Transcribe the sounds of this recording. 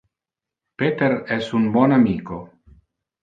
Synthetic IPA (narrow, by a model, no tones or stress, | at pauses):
pet̪eɾɛsunbonamiːko